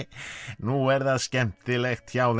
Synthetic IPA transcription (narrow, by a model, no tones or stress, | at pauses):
nuɛɾðaðscɛm̥t̪θɪlext̪çawn